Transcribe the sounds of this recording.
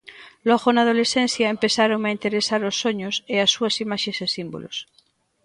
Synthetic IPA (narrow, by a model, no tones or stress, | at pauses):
lɔɣonað̞olesθen̟θjaempeθaɾoŋaint̪eɾesaɾosːoɲoseasːuasimaʃesesimbo̰lo̰s